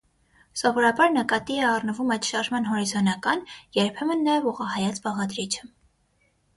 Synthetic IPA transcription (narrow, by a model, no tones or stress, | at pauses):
sɔvɔɾɑbɑɾnəkɑt̪iɛɑrnəvumɑjt̪ʃɑɾʒmɑnɦɔɾizɔnɑkɑnjɛɾpʰɛmənːɑjɛvuʁɑhɑjɑt͡sbɑʁɑd̪ɾit͡ʃʰə̥